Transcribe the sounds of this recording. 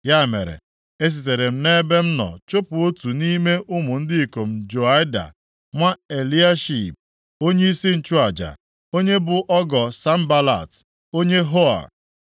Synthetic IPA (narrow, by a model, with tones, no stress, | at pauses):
ja˦˨mḛ˨ɾḛ˨ | e˦s̬i˨t̬e˨ɾe˨m̩˦ne˦be˦m̩˦nɔ̰˨t͡ʃo˦pʊ˨o˦tu˨ni˦me˦ʔʊ˦mʊ˨n̩˦dɪ˦i˨ko˨m̩˨d͡ʒo˨a˦jda̰˨ | ŋʷa˦e˨li˦a˦ʃi˨p̚ | o˦ɲe˦i˦si˦n̩˨t͡ʃu˦a˨d͡ʒa̰˨ | o˦ɲe˦bʊ˨ʔɔ˦ɡɔ˨sa˦m̩˦ba˦la̰˨t | o˦ɲe˦ɦo˦a̰˨